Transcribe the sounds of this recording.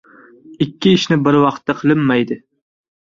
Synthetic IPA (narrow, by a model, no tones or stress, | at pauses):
ɪkʲʰːɪɪʃnɪbɪɾwɑqt̪ːaqʰɨlˠɪmːajd̪ɪ